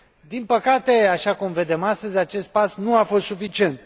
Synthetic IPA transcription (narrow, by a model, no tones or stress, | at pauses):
d̪inpəkat̪e̞aʃakumve̞d̪e̞mast̪əzʲat͡ʃe̞st̪̚pasnuafo̞st̪sufit͡ʃie̞nt̪̚